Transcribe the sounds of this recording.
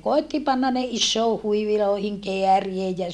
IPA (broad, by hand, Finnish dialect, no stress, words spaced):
koetːi pɑnːɑn ne isːoː huiʋiloˑi̯hiŋ keæriej jɑ